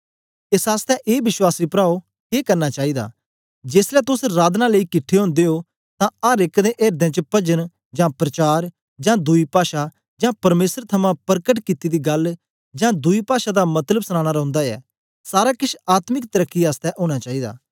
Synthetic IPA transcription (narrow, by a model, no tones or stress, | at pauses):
ɪsaːst̪ɛːʔeːbɪʃwaːsiːpɾaːo | keːkɐɾnaːt͡ʃaːiːd̪a̰ː | d͡ʒeːslɛːt̪ʊsɾaːd̪naːləiːkɪʈʰːeɦõːnd̪eːɦoː | t̪ãaːɾɪkd̪ẽːʔeːɾd̪ẽːt͡ʃəpɐd͡ʒən | d͡ʒãːpɾɐt͡ʃaːɾ | d͡ʒãːd̪ʊipaːʃa | d͡ʒãːpɐɾmeːsəɾt̪ʰɐmãːpəɾkəʈkɪt̪id̪iːɡɐl | d͡ʒãːd̪ʊipaːʃaːd̪aːmɐt̪ləbsñaːɽ̃aːɾɔ̃ʊ̃nd̪aːɛ̰ː | saːɾaːkɪʃaːt̪mɪkt̪əɾəkːiaːst̪ɛʔɦoːɽ̃aːt͡ʃaːiːd̪a̰ː